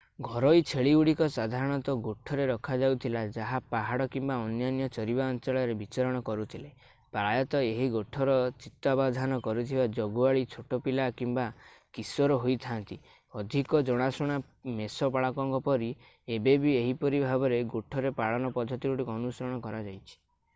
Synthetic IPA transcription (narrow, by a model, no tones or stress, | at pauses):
ɡʱɔɾɔjt͡ʃʰeɭiuɽikɔsad̪ʱaɾɔɽ̃ɔt̪ɔɡoʈʰɔɾeɾɔkʰad͡ʒawt̪ʰilad͡ʒaɦapaɦaɽɔkimbaɔnjanjɔt͡ʃɔɾibaɔnt͡ʃɔɭɔɾebit͡ʃaɾɔɽ̃ɔkɔɾut̪ʰile | pɾajɔt̪ɔeɦiɡoʈʰɔɾɔt͡ʃit̪ːabad̪ʱanɔkɔɾut̪ʰibad͡ʒɔɡuaɭit͡ʃʰoʈɔpilakimbakisɔɾɔɦojt̪ʰant̪i | ɔd̪ʱikɔd͡ʒɔɽ̃asuɽ̃a | mesɔpaɭakɔŋkɔpɔɾi | ebebieɦipɔɾibʱabɔɾeɡoʈʰɔɾepaɭɔnɔpɔd̪ʱːɔt̪iɾuɽikːnusɔɾɔɽ̃ɔkɔɾad͡ʒajt͡ʃʰi̥